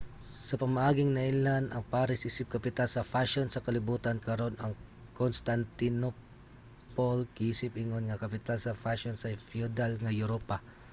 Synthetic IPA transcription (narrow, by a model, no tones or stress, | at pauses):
sɐpɐmɐʔaːɡɪŋnɐʔɪlanɐŋpaːɾɪsʔisɪp̚kɐpɪt̪alsɐfaʃonsɐkɐlɪbuːt̪ɐnkɐɾo̞nɐŋkonst̪ant̪ɪno | polkɪiːsɪp̚ɪŋonŋɐkɐpɪt̪alsɐfaʃonsɐfjud̪alŋɐjʊɾopa